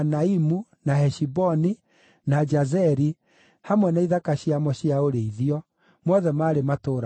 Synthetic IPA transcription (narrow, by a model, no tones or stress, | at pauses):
naimunahɛʃibɔni | nad͡ʒazɛɾi | hamwɛnaiðakaɕiamɔɕiaoɾeiðiɔ | mwɔðɛmaːɾematoːɾa